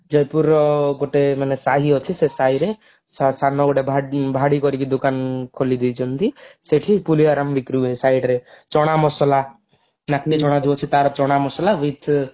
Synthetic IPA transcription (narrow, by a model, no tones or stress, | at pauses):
d͡ʒɔjpuɾːɔɡoʈemanesaɦiɔt͡ʃʰisesajɾe | sasanɔɡoʈebʱabʱaɽikɔɾikid̪ukankʰolid̪ijt͡ʃʰɔnt̪iseʈʰipuliaɾamʋikɾuesajɖɾet͡ʃɔɽ̃amɔsɔla | nakt̪it͡ʃɔɽ̃ad͡ʒiɔt͡ʃʰit̪aɾɔt͡ʃɔɽ̃amɔsɔlaʋit̪ʰ